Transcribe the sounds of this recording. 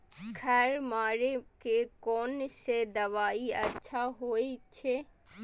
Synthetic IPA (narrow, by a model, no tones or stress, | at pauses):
kʰɛɾmaːɾekekɔːnsed̪ɐʋaːiɐ̰tːʃʰaɦoːet͡ʃʰe